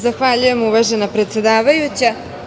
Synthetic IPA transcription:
zaxʋaʎuje̞muʋaːʒenapɾe̞t̪sʲe̞d̪aːʋajut͡ɕa

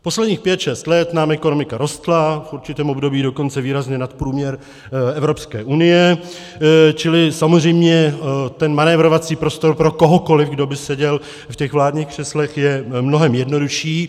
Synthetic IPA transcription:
po̞slɛdɲiːxpjɛt̪ʃɛst̪lɛt̪naːmɛko̞no̞mɪkaɾo̞st̪lafʔuɾt͡ʃɪt̪ɛːmo̞bdo̞biːdo̞ko̞nt͡sɛviːɾazɲɛnat̪pɾuːmɲɛɾ | ɛvɾo̞pskɛ̰ːʔunɪjɛ | t͡ʃɪlɪsamozr̝ɛjmɲɛt̪ɛnmanɛvɾo̞vat͡siːpɾo̞st̪o̞ɾpɾo̞ko̞ɦo̞ko̞lɪfɡdo̞bɪsɛɟɛl | fcɛɣvlaːdɲiːxkr̥ɛslɛxjɛmno̞ɦɛmjɛdno̞duʃiː

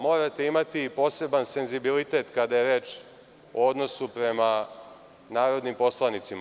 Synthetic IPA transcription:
mo̞ːɾat̪eimat̪ipo̞ːse̞banse̞nzibilit̪e̞t̪kad̪ajeɾeːt͡ʃ | ood̪no̞supɾe̞ma | naːɾo̞d̪nimpo̞slanit̪sima

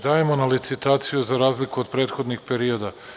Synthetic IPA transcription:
d̪aːjemonalit̪sit̪aːt̪sijuzaɾaːzlikuod̪pɾe̞ːt̪xo̞d̪nixpe̞ɾio̞d̪a

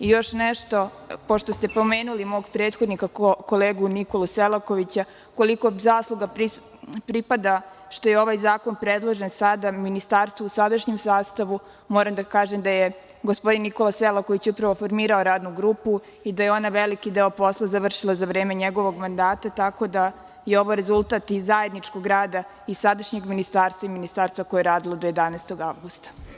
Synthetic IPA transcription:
ijo̞ʃneʃt̪o̞ | po̞ʃt̪o̞st̪e̞po̞meːnulimo̞ːɡpɾe̞ːt̪xo̞d̪nikakoleːɡuniko̞lˠuselokoʋit͡ɕa | ko̞liko̞zaːslˠoɡaɾi | pɾipad̪a | ʃt̪ojeo̞ʋajzaːko̞npɾed̪lˠoʒensad̪aminist̪aːɾst̪ʋousad̪aʃɲemsaːst̪aʋu | mo̞ːɾamd̪akaːʒemd̪ajeɡospo̞d̪inːiko̞lˠaselˠakoit͡ɕeupɾaʋo̞fo̞ɾmiːɾaoɾaːd̪nuɡɾuːpu | id̪ajeo̞naʋelikid̪eːo̞po̞slˠazaʋr̩ʃilˠazaʋɾe̞ːme̞ɲeɡo̞ʋo̞ɡmand̪aːt̪at̪ako̞d̪a | jeo̞ʋoɾezulˠt̪aːt̪izaje̞d̪nit͡ʃko̞ɡɾaːd̪a | issad̪aʃɲe̞ɡminist̪aːɾst̪ʋaiminist̪aːɾst̪ʋako̞jeeɾaːd̪ilˠod̪oje̞d̪anaɛːst̪o̞ɡaʋɡust̪ḁ

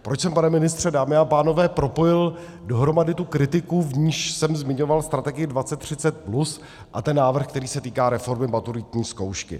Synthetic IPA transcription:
pɾot͡ʃsɛmpanɛmɪnɪst̪r̝̥ɛdaːmɪapaːno̞vɛːpɾo̞po̞jɪl | do̞ɦɾo̞madɪt̪ukɾɪt̪ɪkuvɲiːʃsɛmzmɪɲo̞valst̪ɾat̪ɛɡɪjɪdvat͡sɛt̪ːr̝̥ɪt͡sɛt̪̚plus | ʔa̰t̪ɛnːaːvr̩xkt̪ɛɾiːsɛt̪iːkaːɾɛfo̞ɾmɪmat̪uɾɪt̪ɲiːsko̞wʃkɪ̰

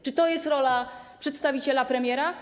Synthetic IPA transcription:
t͡ʂɨt̪ɔjɛst̪ɾɔla | pʂɛt̪st̪avʲit͡ɕɛlapɾɛmʲjɛɾa

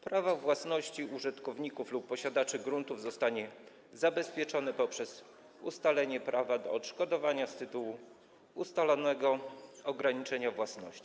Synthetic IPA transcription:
pɾavavwasnɔɕt͡ɕiuʐɘt̪kɔvɲikuflupːɔɕad̪at͡ʂɘɡɾunt̪uvzɔst̪aɲɛ | zabɛspʲjɛt͡ʂɔnɛpɔpʂɛz | ṵst̪alɛɲɛpɾʔavad̪ɔɔt̪ʂkɔd̪ɔvaɲast̪ɘt̪uwu | ust̪alɔnɛɡɔɔɡɾaɲit͡ʂɛɲavwasnɔ̰ɕt͡ɕi̥

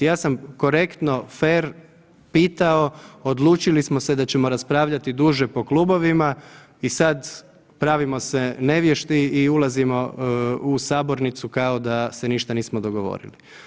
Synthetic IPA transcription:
jaːsamko̞ɾe̞kt̪no̞feɾ | piːt̪ao̞od̪lˠuːt͡ʃilismo̞se̞d̪at͡ɕe̞mo̞ɾaspɾaːʋʎat̪id̪uːʒepo̞kluːbo̞ʋima | isad̪ | pɾaːʋimo̞sene̞ʋjeʃt̪iiulˠazimo̞usaːbo̞ɾnit̪sukaod̪ase̞niʃt̪aniːsmod̪o̞ɡoʋo̞̰ɾḭli

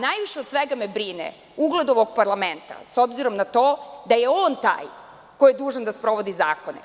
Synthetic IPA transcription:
najʋiʃed̪sʋeɡamebɾinḛ | uɡlˠed̪oʋoɡ̚paɾlament̪a̰sobziɾo̞mnat̪o̞ːd̪aje̞oːnt̪a̰ːj | ko̞jijed̪uːʒand̪aspɾo̞ʋo̞d̪izaːko̞nḛ

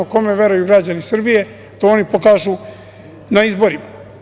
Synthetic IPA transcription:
oko̞me̞ʋe̞ɾujuɡɾad͡ʑanisr̩bije̞ | t̪ooːnipo̞kaːʒu | naizbo̞ɾima

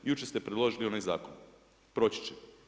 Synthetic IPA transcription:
jut͡ʃest̪e̞pɾed̪lˠo̞ʒilio̞najza̰ːkon | pɾo̞t͡ɕi̥t͡ɕe

